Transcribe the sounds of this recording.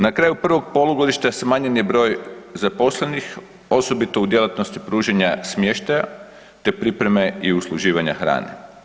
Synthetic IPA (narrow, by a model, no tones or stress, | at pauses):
nakɾaːjupr̩ʋo̞ɡ̚po̞lˠuɡo̞d̪iʃt̪asmaːɲenjebɾo̞ːjzapo̞slenix | o̞so̞bit̪o̞ud̪jelˠat̪no̞st̪ipɾuːʒeɲasmje̞ʃt̪aja | t̪e̞pɾipɾe̞me̞iuslˠuʒiːʋaɲa̰xɾa̰ːnḛ